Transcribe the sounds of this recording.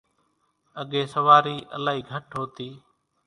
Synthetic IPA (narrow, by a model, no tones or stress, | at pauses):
əɠeːsəʋaːɾiːʔə̰laːɦiːɡʱəʈɦoːt̪iː